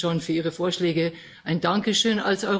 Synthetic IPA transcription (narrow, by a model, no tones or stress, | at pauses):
onfyːɐʔiːʁ̞əfoːɐʃlɛːɡə | ʔaɪndaŋkəʃøːna̰lsʔɔʏ